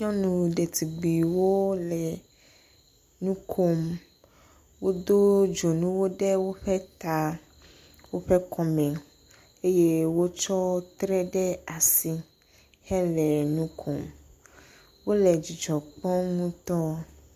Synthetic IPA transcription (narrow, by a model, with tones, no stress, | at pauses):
ɲɔ̃˦nũ˨ɖe˨t̪i˨ɡ͡bi˨wo˦lɛ˨ | nũ˦kʰo˦m | wo˦d̪o˦d͡ʒo˨nũ˦wo˦ɖɛ˦wo˦ɸɛ˦t̪a˦ | wo˦ɸɛ˦kɔ˨mɛ̃˨ | e˦je˦wo˦t͡ʃɔ˦t̪ɾɛ˦ɖɛ˦a˨si˨ | hɛ˦lɛ˨nũ˦kʰo˨m | wo˦lɛ˨d͡ʑi˨d͡ʒɔ˨k͡pɔ̃˦ŋũ˦t̪ɔ˦